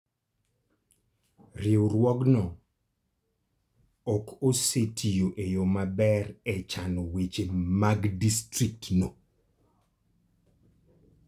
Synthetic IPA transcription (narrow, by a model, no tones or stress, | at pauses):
rɪoɾwɔɡnɔ | ɔkosetʰijoʔejomabɛɾɛt͡ʃanowet͡ʃemaɡdistɾik̚tno